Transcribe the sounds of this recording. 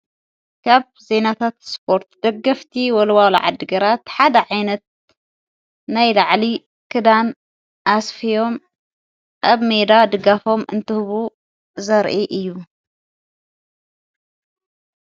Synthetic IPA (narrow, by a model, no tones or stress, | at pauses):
kʰaβ | ze̞nat̪ʰat̪spʰo̞ɾt̪d̪ɐɡːɐft̪ʰiwɔlwal̰ʕa̰d̪ːɨɡɐɾat̪ħad̪ɐʕajnɐt̪̚ | najlaʕli | kʰɨd̪an | ʔasfijo̞m | ʔaβmed̪ad̪ɨɡafo̞mɨ̰nt̪ɨhβu | zɐɾʔiʔɨjːu